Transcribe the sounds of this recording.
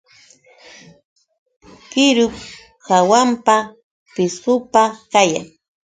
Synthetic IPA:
kɪɾʊk | hawampa | pɪsʊpakaja̰ŋ

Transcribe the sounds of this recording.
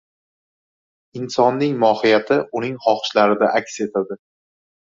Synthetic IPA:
ɪnsɒnːɪŋmɒhɪjat̪ʰɪʔʊnɪŋχɒχʃlaɾɪd̪aʔakʲse̞t̪ʰad̪ɪ

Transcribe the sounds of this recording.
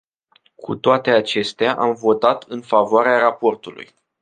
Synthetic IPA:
kʰṵt̪oat̪e̞at͡ʃe̞st̪eaʔamvo̞t̪at̪ʰɨnfavoaɾeaɾapo̞rt̪ulṵj

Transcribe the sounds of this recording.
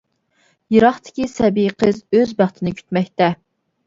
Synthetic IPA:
jeɾɑχt̪ʰɪ̥kʲisɛbiqʰəzøzbæχt̪ʰɪnɪkʲʰy̥t̪mɛkʲt̪ɛ

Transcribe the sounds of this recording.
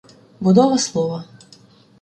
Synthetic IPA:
bʊd̪ɔʋɐslˠɔʋɐ

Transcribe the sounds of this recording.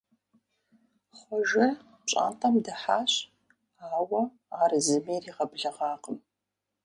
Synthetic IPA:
χʷɔʒɪ | t͡ʃʼa̰ntʼamdaħaːɕ | aːwɐ | arzɨmejriːʁɐbɮɐʁɑːqʼəm

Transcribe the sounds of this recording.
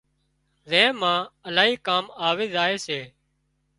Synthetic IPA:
zɛ̃ːmãːəlaːɦiːkaːmaːʋeːzaːeːseː

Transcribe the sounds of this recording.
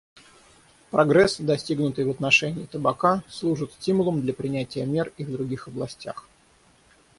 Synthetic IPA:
pɾɐɡɾɛsd̪ɐsʲtʲiɡnʊt̪ɨjvət̪nɐʂɛnʲɪːt̪əbɐkaslˠuʐɨt̪sʲtʲimʊlˠəmd̪lʲəpɾʲɪnʲætʲɪjəmʲe̞rivd̪ɾʊɡʲixɐblˠɐsʲtʲax

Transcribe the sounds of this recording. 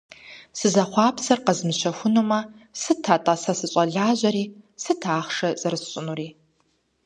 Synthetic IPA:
sɨzɐχʷɑːpsɐrqəzmɨʃɐxʷʊnumɐsɨtʰatʼɐsɐsɨɕʷʼɐɮaːʑɐɾiːsɨtʰaːχʂɐzʼɐɾɨsɕʼʊnuɾiː

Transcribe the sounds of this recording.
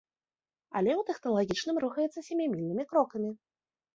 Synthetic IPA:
a̰lʲɛwt̪ɛxt̪ɐlˠaɣʲit͡ʂnɨmɾuxɐjɛt̪sːɐsʲamʲamʲilʲnɨmʲikɾɔkɐmʲi

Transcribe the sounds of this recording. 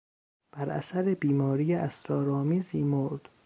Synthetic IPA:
b̥æɾʔæ̰sæɾebiːmɒːɾijeʔæst̪ɾɒːɾɒːmiːziːmoɾd̪̥

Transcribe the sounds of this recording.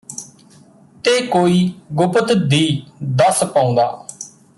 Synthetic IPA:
t̪eːkoːiːɡʊpət̪d̪iːd̪əspãːʊ̃ːnd̪aː

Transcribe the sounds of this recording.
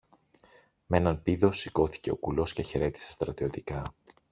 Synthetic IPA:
me̞nɐnpiðo̞siko̞θi̥ce̞o̞kulo̞sce̞çe̞ɾe̞t̪i̥se̞st̪ɾɐt̪io̞t̪ikɐ

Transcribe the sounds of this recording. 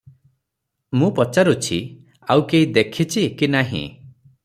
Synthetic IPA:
mũpɔt͡ʃaɾut͡ʃʰi | awkeid̪ekʰit͡ʃʰikinaɦḭ̃

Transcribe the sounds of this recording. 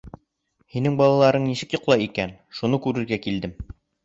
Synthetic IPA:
hinɘŋbɒlˠɑlˠɑɾɤɴnisɘkjŏqlˠɑjikænʃunɤkʉɾɘ̆ɾɡækild̪ɘm

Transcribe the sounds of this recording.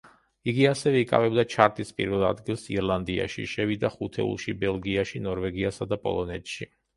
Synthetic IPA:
iɡiasɛvɛikʼa̰vɛbd̪at͡ʃʰaɾt̪ʼispʼḭɾvɛlˠa̰d̪ɡilˠsḭɾlˠand̪ia̰ʃḭʃɛvid̪aχut̪ʰɛ̰ṵlˠʃibɛlˠɡiaʃinɔɾvɛɡiasad̪apʼɔ̰lˠɔnɛt̪ʃi

